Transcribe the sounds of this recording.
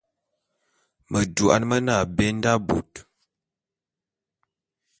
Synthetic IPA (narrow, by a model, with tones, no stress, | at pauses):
mə˨du˨ʔa̰˦nmə˦na˦˨be˦n˦da˦bṵ˨t